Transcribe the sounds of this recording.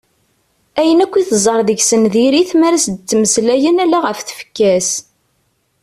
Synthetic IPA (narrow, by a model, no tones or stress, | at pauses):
æjənækʷːiθəzˤəɾˤðəʝsənðiɾiθmæɾæsd̪ət͡sːməslæjənælæʁəfθə̥fə̥kːæs